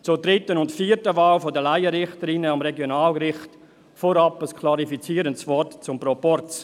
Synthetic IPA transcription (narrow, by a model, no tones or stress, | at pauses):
t͡sʊdɾɪtənʊntfiːətəvaːlfodəlaɪəɾɪχtəɾinəɑmɾeɡjonaːlɡɾɪχt | foɾɑpəskʰlɑɾifit͡siːəɾəntsvɔtt͡sʊmpɾopɔrt͡s